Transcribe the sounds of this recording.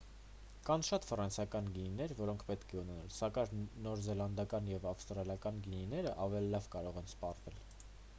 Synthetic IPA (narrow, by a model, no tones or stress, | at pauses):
kɑnʃɑt̪frɑnsʰɑkɑnɡininɛɾvɔɾɔŋkʰpɛt̪kʰɛunɛnɑlsɑkɑɾnɔɾzɛlɑnd̪ɑkɑnjɛvɑfst̪ɾɑljɑkɑnɡininɛɾəʔɑvɛlilɑvkɑɾɔʁɛnspɑrvɛl